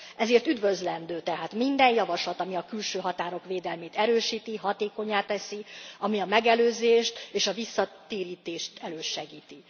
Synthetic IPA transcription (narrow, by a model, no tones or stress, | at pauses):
ʔɛzeːrt̪yd̪vøzlɛnd̪øːt̪ɛɦaːt̪mind̪ɛjjɒvɒʃlɒt̪ɒmiɒkylʃøːɦɒt̪aːɾo̞kʋeːd̪ɛlmeːt̪ɛɾøːʃiːt̪iɦɒt̪eːko̞ɲːaːt̪ɛsiɒmiɒmɛɡɛløːzeːʃt̪eːʃɒvisːɒt̪eːɾiːt̪eːʃt̪ʰɛløːʃɛɡiːt̪i